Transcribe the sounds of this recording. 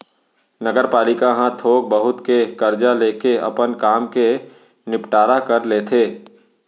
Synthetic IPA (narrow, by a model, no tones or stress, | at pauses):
nɐɡəɾpaːlɪkãɦãt̪ʰoːk̚bəɦʊt̪kekɐɾd͡ʒaleːkeʔɐ̰pənkaːmke | nɪpʈaːɾakɐɾleːt̪ʰeː